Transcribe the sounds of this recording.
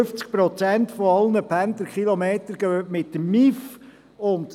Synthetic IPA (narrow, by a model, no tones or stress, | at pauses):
ʏft͡sk̚pɾɔt͡sænt̪fɔɑlnəpʰænt̪əkχilɔmeːtəɾɡ̥œmɪtːəmːif | ʊnt̪